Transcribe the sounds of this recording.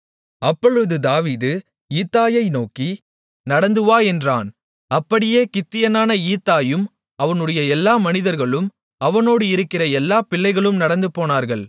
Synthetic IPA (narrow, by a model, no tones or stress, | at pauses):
ɐpːɔɻɯðɯd̪aːʋiːðɯ | iːt̪ːaːjɐɪnoːkːi | nɐɽɐnd̪ɯʋaːɛndraːn | ɐpːɐɽɪjeːkɪt̪ːɪjɐnaːnɐiːt̪ːaːjɯm | ɐʋɐnɯɽɐjɐɛlːaːmɐnɪðɐɾɣɐɭɯm | ɐʋɐnoːɽɯɪɾɯkːɪrɐɛlːaːpɪlːɐɪɣɐɭɯmnɐɽɐnd̪ɯpːoːnaːɾɣɐɭ